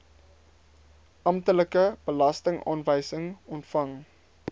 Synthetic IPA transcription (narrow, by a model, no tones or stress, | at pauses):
ʔɐmtələkəb̥əlɐstəŋʔɑ̰ːnvəjsəŋɔntfɐŋ